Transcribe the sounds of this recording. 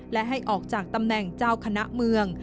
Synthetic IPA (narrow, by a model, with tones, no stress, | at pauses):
lɛ˦˥ʔɦa˥˩jʔɔː˨˩k̚t͡ɕaː˨˩k̚t̪a˧mnɛ˨˩ŋt͡ɕaː˥˩wkʰa˧na˦˥ʔmɯ˧əŋ